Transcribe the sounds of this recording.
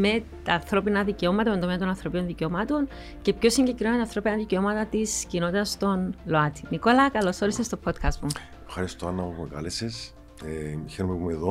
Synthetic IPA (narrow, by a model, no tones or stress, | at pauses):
me̞t̪ɐːnθɾo̞pinɐðice̞o̞mɐt̪ɐmend̪o̞meɐt̪o̞nɐnθɾo̞pino̞nðice̞omɐt̪o̞n | ce̞pço̞siɲɟekɾimɐmet̪ɐnθɾo̞pinɐðiceo̞mɐt̪ɐt̪iscino̞t̪it̪ɐst̪o̞nlo̞ɐt̪ʰi̥niko̞lɐkɐlo̞so̞ɾisest̪o̞pʰo̞t̪kʰɐst̪mu | fxɐɾist̪oɐnːɐmupumekɐ̰leses | çeɾomepumeðo